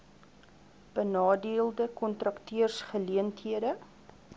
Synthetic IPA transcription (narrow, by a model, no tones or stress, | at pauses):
b̥ənɑːdiəlˠdəkɔntrɐktyərsχəliəntɦiədə